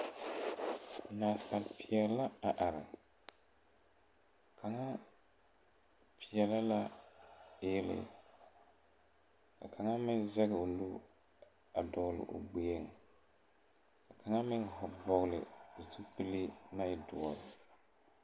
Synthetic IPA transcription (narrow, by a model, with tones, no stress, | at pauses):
naː˨sa˨lpʰi˨ɛ˨˦la˦a˨ʔa˨ɾɪ˨ | kʰa˨ŋa˦ | pi˨ɛ˨la˦la˦ | ɛ˦lɪ̰˨ | ka̰˨kʰa˨ŋa˦mɪ˦nza˦ɣɪ˨o˨lu˦ | a˨dɔ˨ɣlɪ̰˨ʔo̰˨ɡ͡be˨˦e˦ŋ˨ | ka˨ka˨ŋa˦mɪ˦nɦɔ˨bɔ˨ɣlɪ̰˨o˨ti˦pɨ˦li˦na˦ɪ˨dʊ˨ɔ˨ɾɪ˨